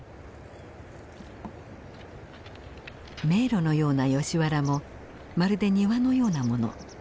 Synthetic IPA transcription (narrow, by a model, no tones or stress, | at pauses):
me̞ːɾo̞no̞jo̞ːnajo̞ɕiβaɾamo̞ | maɾɯ̟d̪e̞ɲ̟iβano̞jo̞ːnamo̞no̞̰